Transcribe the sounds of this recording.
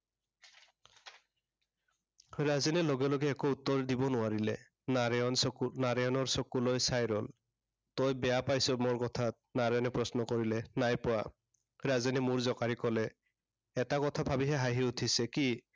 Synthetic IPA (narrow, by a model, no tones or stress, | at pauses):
ɹazinɛloɡɛlɔɡɛːkout̪ːɔɹdibɔnʊaɹilɛ | nɹɔnsɔknaɹejɔnɔɹsɔkulojsajɹɔl | tɔjbɛjapajsɔmɔɹkɔtʰat̚ | naɹjɔnɛpɹɔsnɔkɔɹilɛnajpʊwa̰ | ɹazinimuɹzɔkaɹikɔlɛː | takɔtʰabʱabiɦɛɦaɦiutʰisɛki